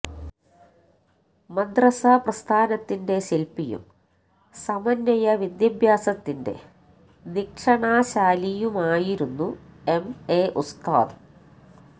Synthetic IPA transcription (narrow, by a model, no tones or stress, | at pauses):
mɐd̪rɐsaprɐst̪ʰaːnɐt̪ːinde̞ɕilpijṵm | sɐmɐnjɐjɐʋid̪jɐbʱjaːsɐt̪ːinde̞̰ | nikʂɐɳaːɕaːlijumaːjiɾunːue̞meːʔust̪a̰ːðu